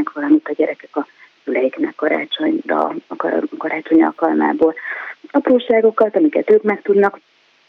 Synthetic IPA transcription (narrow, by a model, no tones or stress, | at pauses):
ɛkʋɒlɒmit̪ɒɟɛɾɛkɛkɒ | sylɛjiknɛ̰kːɒɾa̰ːt͡ʃo̞ɲdɒ̰kkɒɾaːt͡ʃo̞ɲɒ̰lkɒlma̰ːboːlɒpɾuːʃaːɡo̞kɒt̪ɒmikɛt̪øːkmɛkt̪ud̪nɒk